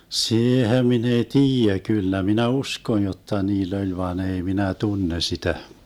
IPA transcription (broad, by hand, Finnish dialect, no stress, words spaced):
siːhem min ei tiːjæ kylːæ minæ uskon jotːɑ niːlː olʲ ʋɑːn ei minæ tunːe sitæ